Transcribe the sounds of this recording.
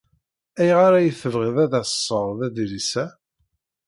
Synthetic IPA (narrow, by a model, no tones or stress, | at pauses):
æjʁaɾæjəθəvʁiðæðæssˤːəɾˤðæðilisæ